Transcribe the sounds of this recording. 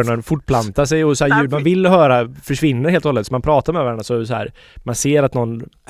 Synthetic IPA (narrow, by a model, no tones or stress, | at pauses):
ɳənfʊʈ̚ːpʰlant̪aʂɛjɔsɔhæːɾjʉ̟ːd̪manvɪlːɦœːɾafœʂvɪnːəɾheːlɔhɔlːət̪sɔmanpʰɾɑːt̪aɾmɛvæɾɛɳasɔɛsɔhæ̰ːɾ | manseːɾat̪nɔnː